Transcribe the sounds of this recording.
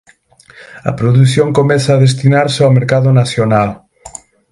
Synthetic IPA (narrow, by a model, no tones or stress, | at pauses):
ɐ̰pɾoðuθjoŋkomɛθaːðest̪inaɾsawmeɾkaðʊnaθjonal